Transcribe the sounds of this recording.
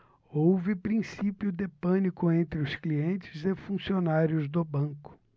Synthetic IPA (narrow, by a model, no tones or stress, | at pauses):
owvɪpɾĩsipjʊd̪ɪpɐ̃nikʊẽnt̪ɾɪʊskliẽnt͡ʃɪ̥zefũsionaɾjʊzd̪ʊbɐ̃kʊ̥